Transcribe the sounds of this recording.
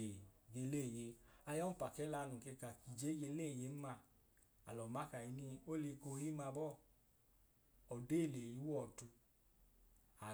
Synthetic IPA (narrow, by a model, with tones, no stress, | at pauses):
e˨ɡe˧le˦˨je˧a˧jɔ˦m̩˦pa˨kɛ˨˦la˧nu˨ke˧ka˨ki˨d͡ʒe˦ɡe˧le˦˨je˨˦m˦ma˧ | a̰˨lɔ˨ma˨˦ka˨i˨˧˦ni˧o˦le˧ko˧˦hi˦ma˧bɔ˦ | ɔ˨de˦˨le˨ji˨˦wɔ˦˨tu˧ | a˨